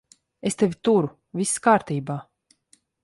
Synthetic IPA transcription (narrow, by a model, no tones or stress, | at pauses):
est̪evʲit̪uɾu | vʲiskaːɾt̪iːbaː